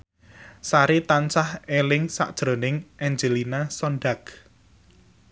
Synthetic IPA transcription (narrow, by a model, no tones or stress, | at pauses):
saɾit̪ant͡ʃahelɪŋsa̰ʔd̥ʒ̥ɾo̤nɪŋʔɛɲd͡ʒelinasɔnɖak